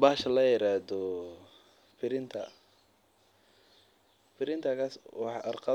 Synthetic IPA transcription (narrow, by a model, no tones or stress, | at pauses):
baːʃɐlɐjɪɾaːðɔ | fɪɾɪnt̪ʰɐ | fɪɾɪnt̪ʰɐɣaswɑħʔɑrqɑ